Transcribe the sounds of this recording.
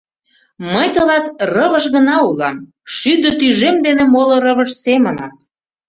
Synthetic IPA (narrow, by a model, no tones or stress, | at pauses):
məjt̪ə̆lɑt̪rə̆βə̆ʃɣə̆nɑulɑm | ʃyd̪ə̆t̪yʒemd̪enemoloɾəβəʃsemənɑt̪